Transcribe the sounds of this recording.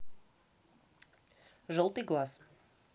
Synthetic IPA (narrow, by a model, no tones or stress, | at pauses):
ʒəlˠt̪iɡlˠas